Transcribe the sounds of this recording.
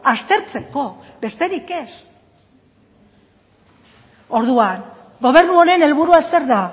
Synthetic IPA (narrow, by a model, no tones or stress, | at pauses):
ast̪e̞ɾt͡se̞ko̞be̞st̪e̞ɾike̞s | o̞ɾðuan | ɡo̞β̞e̞ɾnuo̞ɾe̞ne̞lβuɾuase̞ɾða